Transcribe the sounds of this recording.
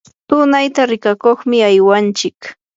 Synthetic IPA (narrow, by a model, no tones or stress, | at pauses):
t̪ʊnajt̪aɾɪkakoχmɪajwant͡ʃɪk